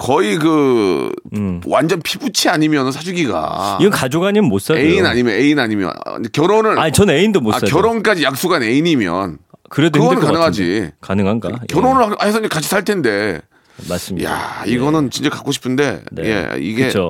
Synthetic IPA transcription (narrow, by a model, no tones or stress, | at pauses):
kʌikɯ | wand͡ʑʌnpʰibut͡ɕʰiaɲimjʌnɯnsʰad͡ʑuɡiɡa̰iɡʌnkad͡ʑoɡaɲimɯnmos͈aeinaɲimjʌne̞inaɲimjʌ̰n̰ekjʌɾonɯɭat͡ɕʌneindomosaakjʌɾonk͈ad͡ʑijak̚s͈oɡane̞iɲimjʌ̰nkɯɾedkɯɡʌnɯnkanɯŋɦad͡ʑḭkanɯŋɦanɡakjʌɾonɯɭaahes̬ʰʌiɲd͡ʑekat͡ɕʰi̥sʰaɭtʰe̞nde̞ | mas͈mja̰iɡʌnɯnt͡ɕint͡ɕekak͈oɕʰi̥pʰɯnde̞nje̞̰ḭɡe̞o